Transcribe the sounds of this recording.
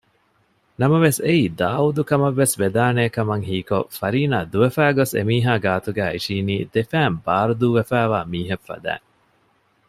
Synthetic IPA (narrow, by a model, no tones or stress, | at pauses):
nɐmɐʋeseiːd̪aːud̪ukɐmɐʋːesʋed̪aːneːkɐmɐŋɦiːko̰fɐɾiːnaːd̪uʋefæːɡosḛmiːɦaːɡaːt̪uɡæːiʃiːniːd̪̥efæːmbaːɾud̪uːʋefæːʋaːmiːɦefːɐ̰d̪æ̰ːŋ